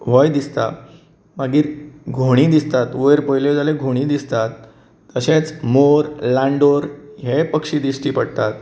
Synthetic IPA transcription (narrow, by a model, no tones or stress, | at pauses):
ʋɔjd̪ist̪a | maɡiːɾɡʱoɽ̃iːd̪ist̪at̪oeɾpəjled͡zaleɡʱoɽ̃iːd̪ist̪at̪ː | əɕet͡smoɾlaɳɖoɾɦepəkʂiːd̪isʈiːpəɽt̪at̪̚